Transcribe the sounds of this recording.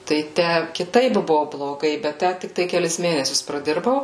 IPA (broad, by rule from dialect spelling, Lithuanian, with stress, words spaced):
tɐɪ ˈtʲæ kʲɪˈtɐɪp ˈbʊʋoː blˠoːˈɡɐɪ bʲɛt ˈtʲæ tʲɪkˈtɐɪ kʲɛˈlʲɪs ˈmʲeːnʲɛsʲʊs prɐˈdʲɪrbɐʊ